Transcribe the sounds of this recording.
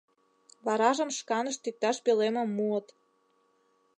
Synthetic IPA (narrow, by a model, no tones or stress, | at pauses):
βɑɾɑʒə̆mʃkɑnə̆ʃt̪ik̚t̪ɑʃpelemĕmːuə̆t̪